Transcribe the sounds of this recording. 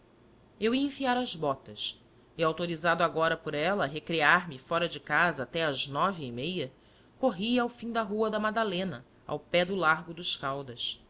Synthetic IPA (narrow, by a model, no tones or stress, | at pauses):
ewiɐẽfiaɾɐzbɔt̪ɐs | ɪawt̪oɾizad̪ʊaɡɔɾɐpʊɾɛlɐɦekɾiaɾmɪfɔɾɐd͡ʒɪkazɐːt̪ɛɐznɔviɪmejɐ | koɦiɐawfĩd̪ɐɦuɐd̪ɐmad̪alẽnɐ | a̰wpɛd̪ʊlaɾɡʊd̪ʊʃkawd̪ɐs